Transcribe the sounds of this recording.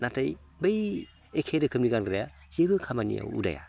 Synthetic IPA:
natʰaj | bɯj | ekʰeɾɯkʰɯmniɡanɡɾaja | zebɯkʰamanḭja̰ṵda̰ja̰

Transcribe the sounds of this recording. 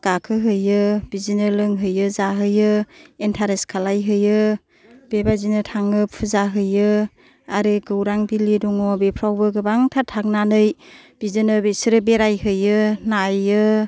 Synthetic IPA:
ɡ̥akʰɯɦɯjɯb̥izinɯlɯŋɦɯjɯzaɦɯjɯentʰaɾeskʰalajɦɯjɯ | b̥ebazinɯtʰaŋɯpʰɯzaɦɯjɯ | aɾɯɡɯwɾaŋbilidɔŋɔbepʰɾawbɯɡɯbaŋtʰatʰːak̚nanɯjb̥izɯnɯbesiɾɯbeɾajɦɯjɯnajɯ

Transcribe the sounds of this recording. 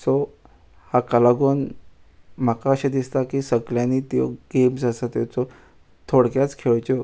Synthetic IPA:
sɔ | hakalaɡon | m̤akaəɕed̪ist̪akiːsəɡljaniːt̪jo̰ɡemsasət̪jat͡sɔ | t̪ʰoɽkjat͡skʰeɭt͡ɕɔ

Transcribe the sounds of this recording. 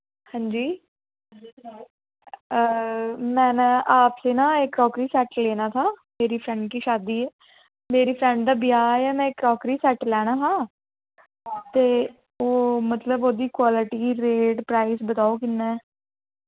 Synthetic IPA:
hãːɲd͡ʒiː | mɛ̃ːnaːpseːnãːɪkɾɔːkɾiːsɛːʈleːnaːt̪ʰaːmeːɾiːpʰɾɛ̃ːɳɖ̚kiːʃaːd̪iːɛː | meːɾiːpʰɾɛ̃ɳɖd̪aːbɪjaːjaːmɛ̃ːɪkɾɔːkɾiːsɛːʈlɛːɽ̃aːɦãː | t̪eː | oːmət̪ləboːd̪iːkwaːlɪʈiːɾeːʈpɾaːisbət̪aːoːkɪnːɛː

